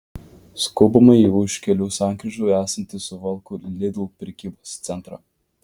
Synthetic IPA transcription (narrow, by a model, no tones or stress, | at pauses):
skoːbɐmɐiʊʃkʲɛlʲuːsɑˑŋkɾʲɪʒʲoʊæːsɐnʲt̪ʲɪsʊʋɐlˠkʊlʲɪd̪ʲlˠpʲɾʲɛkʲiːboːst̪sʲɛnˑt̪ɾɑ